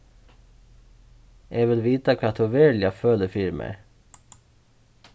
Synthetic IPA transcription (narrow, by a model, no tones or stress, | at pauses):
ʔeːʋɪlʋiːt̪ɑkʰʋɑːt̪ʰʊʋeːɭɪɑføːləfiɾmʔḛ